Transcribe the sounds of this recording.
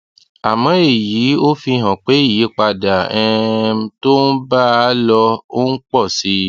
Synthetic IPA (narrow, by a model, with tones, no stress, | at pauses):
a˨mɔ̃˨˦e˦˨jiː˨˦o˦fi˧ɦã˨k͡pe˨˦i˦˨ji˨˦k͡pa˧da˨ɛ̃˧˦to˦n̩˦ba˦˨˦lɔ˧o˦n̩˦k͡pɔ˦˨si˧˦